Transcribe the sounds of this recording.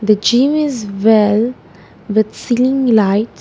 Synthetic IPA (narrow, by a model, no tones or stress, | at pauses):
d̪əd͡ʒĩmɪzwɛl | ʋɪd̪silĩŋlaɪʈ